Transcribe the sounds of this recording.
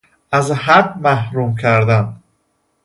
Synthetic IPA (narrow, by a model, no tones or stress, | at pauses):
æzɦæbmæhɾuːmcʰæɾd̪æn